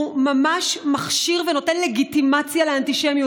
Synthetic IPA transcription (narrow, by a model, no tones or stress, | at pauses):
mamaʃmaχʃiʁvenotenleɡit̪imat͡sjaleant̪iʃemju